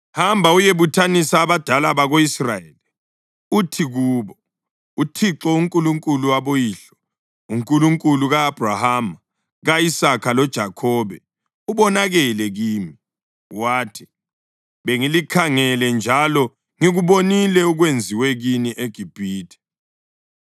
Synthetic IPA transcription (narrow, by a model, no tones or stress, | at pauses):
hambʱaujeβutʰanisaːβad̥ʱalaβaɣoisrajeli | utʰiɣuːβɔ | utʰiǁɔuŋkʼuluŋkʼuluwaβojiːɬɔ̥ | uŋkʼuluŋkʼuluɣaːb̥ʱrahama | ɣaisakʰalɔd̥ʒ̥ʱakʰɔːβɛ | uβɔnaɣɛlɛɣiːmi | waːtʰi̥ | βeŋilikʰaŋɛlɛnd͡ʒʱalɔ | ŋiɣuβonilɛuɣwend͡zʱiwɛɣiniʔeɡ̥ʱib̥ʱiːtʰʼɛ̥